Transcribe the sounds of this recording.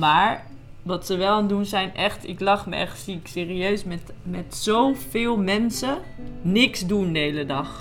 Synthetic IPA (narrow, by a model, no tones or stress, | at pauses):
maːɹ | ʋɑtsəʋɛlˠandunzɛjnʔɛχtɪ̰klɑχmə̰ʔɛ̰χtsiɪkseːriøɥsmɛtmɛtsowfɪːlˠmɛnsənɪksdundəɦejlədɑχ